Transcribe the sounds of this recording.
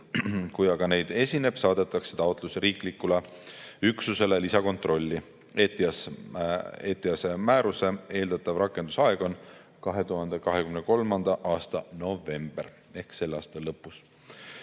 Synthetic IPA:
kujɑɡɑne̞jd̪̥e̞sʲine̞b̥sɑːd̪̥e̞t̪ːˑɑkset̪ɑot̪ˑlusɾiːklikːuleyksuse̞lelisɑko̞nt̪ro̞lʲːi | et̪i | eːt̪ːˑiɑse̞mæːɾuse̞e̞ːld̪̥ɑt̪ːˑɑvrɑkːˑe̞nd̪usɑe̞ɡ̥o̞n | kɑɦe̞t̪uɦɑnd̪ekɑɦe̞kymneko̞lmɑnd̪̥ɑʔɑːst̪ɑno̞ve̞mb̥er | e̞hkse̞lːɑːst̪ɑlːɤpːus

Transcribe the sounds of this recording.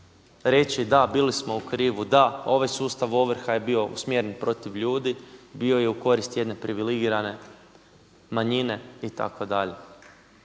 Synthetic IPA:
ɾe̞t͡ɕid̪abilismo̞ukɾiːʋud̪ao̞ʋajsuːst̪aʋo̞ʋɾ̩xaje̞bio̞ṵsmjeɾenpɾo̞t̪iʋʎuːd̪ibio̞je̞uko̞ɾist̪je̞d̪ne̞pɾiʋiliɡiɾane̞ | maɲine̞it̪a̰kod̪aʎe̞

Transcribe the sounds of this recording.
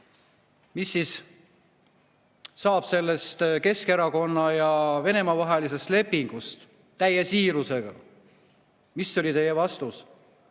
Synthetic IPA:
misːis | sɑːb̥se̞lːe̞st̪ke̞ske̞ɾɑko̞nːɑjɑve̞ne̞mɑvɑɦelise̞st̪le̞pːiŋɡ̥ust̪ | t̪ːæjesiːɾuse̞ɡ̥ɑ̰ | misːo̞lʲit̪e̞jevɑst̪us

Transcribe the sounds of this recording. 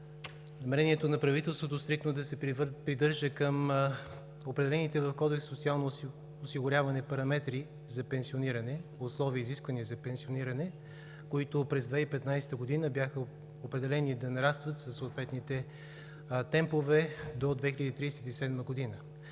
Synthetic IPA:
nɐmɛɾɛniɛt̪onɐpɾɐvit̪ɛlˠst̪vot̪ost̪ɾik̪nod̪ɐsɛpɾid̪ɤɾʒəkəm | opɾɛd̪ɛlɛnit̪ɛvəfkɔd̪ɛksːot̪sialˠno | osiɡʊɾʲjavɐnɛpɐɾɐmɛt̪ɾi | zɐpɛnsioniɾənɛʊslˠɔviəiziskvəniəzɐpɛnsioniɾənɛ | koit̪opɾɛzd̪vɛipɛt̪najst̪əɡod̪inəbʲjaxə | opɾɛd̪ɛlɛnid̪ɐnɐɾast̪vət̪səsːoːt̪vɛt̪nit̪ɛ | t̪ɛmpovɛd̪od̪vɛxilʲəd̪it̪ɾijsɛ̥t̪isɛd̪məɡod̪inə

